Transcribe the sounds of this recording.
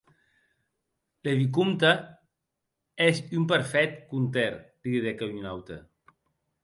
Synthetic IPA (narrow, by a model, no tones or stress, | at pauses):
leβik̬umt̪a | ezympəɾfɛt̪kunt̪eɾd̪iððekaɲunawt̪ḛ